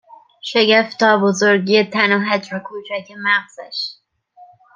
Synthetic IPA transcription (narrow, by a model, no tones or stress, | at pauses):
ʃeɡeft̪ʰɒːbozoɾɡiet̪ʰænoɦæd͡ʒɾokʰuːt͡ʃʰækʰemæʁz̥æʃ